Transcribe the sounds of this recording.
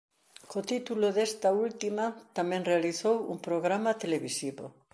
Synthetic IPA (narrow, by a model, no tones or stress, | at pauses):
kot̪it̪uloðest̪ault̪imat̪amẽnrealiθowṵmpɾoɣɾamat̪eleβisiβo̰